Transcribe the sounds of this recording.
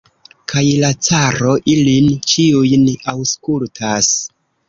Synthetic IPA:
kʰajlat͡saɾo̞ʔilint͡ʃiujnawskultʰas

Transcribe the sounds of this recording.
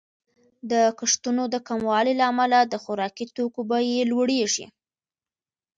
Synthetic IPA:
d̪əkaʂt̪unod̪əkamwɑlelaːmalad̪əxʊɾɑkit̪okobajelwaɽeʐḭ

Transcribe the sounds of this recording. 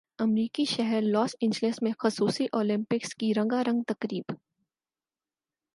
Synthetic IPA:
ɐmɾiːkiʃɛɦɛɾlɔːsɪ̃ɲd͡ʒlesmẽxʊsuːsiʔoːlɪ̃mpɪkskiɾɐ̃ŋɡaɾɐ̃ŋɡ̚t̪ɐkɾiːb

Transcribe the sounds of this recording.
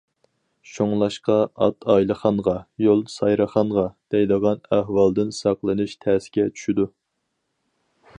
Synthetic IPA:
ʃoŋlˠɑʃqɑɑt̪ʰɑjlˠəχɑnʁɑjolˠsɑjɾəχɑnʁɑd̪̥ɛjd̪əʁɑnæhwɑlˠd̪ɨnsɑqlˠɨnɨʃt̪ʰæːsɪ̥ɡʲɛt͡ʃʰy̥ʃid̪u

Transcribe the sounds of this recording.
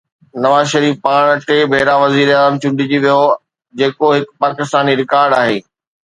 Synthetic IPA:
nɐʋaːzʃɐɾiːfpaːɽ̃ʈeːbʱeːɾaʋɐziːɾaːzəmt͡ɕʊ̃ɳɖʱɪd͡ʑiʋijo | d͡ʑeːkoɦɪkpaːkɪst̪aːniɾɪkaːɾɖaːɦeː

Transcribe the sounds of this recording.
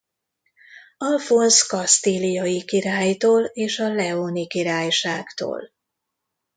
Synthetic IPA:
ɒlfonskɒst̪ilijɒjikiɾaːjt̪oːleːʃɒlɛonikiɾaːjʃaːkt̪o̰ːl

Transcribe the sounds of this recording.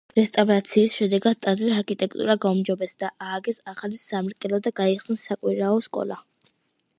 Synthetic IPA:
ɾɛst̪ʼavɾat̪sʰiːsʃɛd̪ɛɡad̪̥̚t̪ʼːaziɾaɾkʰit̪ʼɛkʰt̪ʼṵɾaɡaumd͡ʒɔbɛsd̪aʔaːɡɛsaχalisamɾkʼɛlɔd̪aɡaiχsnsakʼwiɾaɔskʼɔ̰lˠa̰

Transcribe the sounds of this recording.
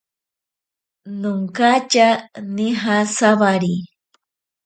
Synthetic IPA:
nʊŋkat͡ʃaniɦasaβaɾi

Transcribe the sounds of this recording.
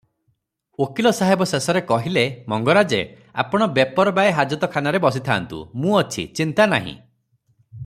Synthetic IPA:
okilɔsaɦebɔsesɔɾekɔɦilemɔŋɡɔɾad͡ʒḛ | a̰pɔɽ̃ɔbepɔɾɔbaeɦad͡ʒɔt̪ɔkʰanaɾebɔs̬it̪ʰaːnt̪ṵmũɔt͡ʃʰḭt͡ʃint̪anaɦḭ̃

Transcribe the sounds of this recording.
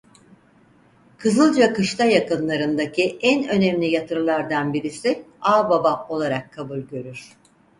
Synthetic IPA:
kʰɯzɯlˠd͡ʒakɯʃt̪ajakɯnlˠaɾɯnd̪acʰiʔænø̞nɛmlʲijat̪ʰɯɾɯlˠaɾd̪anbiɾisɪaːbabao̞lˠaɾakʰːabulʲɟø̞ɾyɾ̥

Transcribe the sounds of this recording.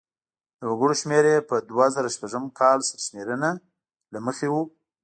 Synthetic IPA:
d̪̥əwaɡəɽoʃmeɾepəd̪wazaɾaʃpaʒəmkʰɑlsaɾaʃmeɾəna | laməxewu

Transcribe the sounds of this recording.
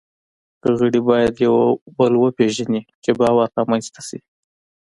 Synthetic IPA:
kəɣəɽibɑjad̪jawbəlwəpeʒanit͡ʃebɑwaɾt̪ɑmanzt̪ḁsi

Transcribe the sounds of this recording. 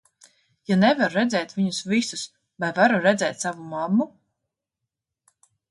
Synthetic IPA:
janɛvaɾuɾɛd̪zɛːt̪viɲusvisus | vajvaɾuɾɛd̪zɛːt̪savumamːu

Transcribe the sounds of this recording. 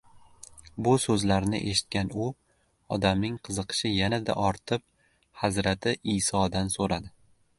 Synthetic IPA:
bʊsɵzlaɾnɪ̰ʔe̞ʃɪ̥t̪̚kʲʰanʊ | ɒ̰d̪amnɪŋqʰɨzɨqʰɨ̥ʃɪjanad̪a̰ʔɒɾt̪ʰɪp̚ | hazɾat̪ʰɪʔisɒd̪ansoɾad̪ɪ

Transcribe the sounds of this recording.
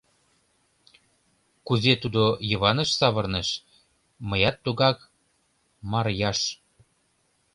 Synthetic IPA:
kuzet̪ud̪ojɤβɑnə̆ʃsɑβɤrnəʃ | məjɑt̪ːuɣɑk | mɑrjɑʃ

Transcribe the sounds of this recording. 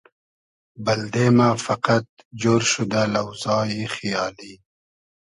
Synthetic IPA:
bald̪emafaqat̪̚d͡ʒoːɾʃud̪alawzɑːjixijɑːli

